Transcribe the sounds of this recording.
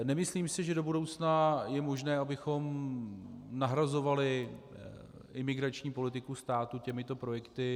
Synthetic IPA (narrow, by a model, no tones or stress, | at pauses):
nɛmɪsliːmsɪʒɛdo̞budowt͡snajɛmo̞ʒnɛːʔabɪxo̞m | naɦɾazo̞valɪ | ʔɪmɪɡɾat͡ʃɲiːpo̞lɪt̪ɪkust̪aːt̪ucɛmɪt̪o̞pɾo̞jɛkt̪ɪ